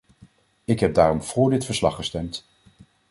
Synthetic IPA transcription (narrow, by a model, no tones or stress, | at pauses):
ɪkɦɛb̚daːrɔmv̥ʊːɹdɪtfəɹslɑχːəstɛmt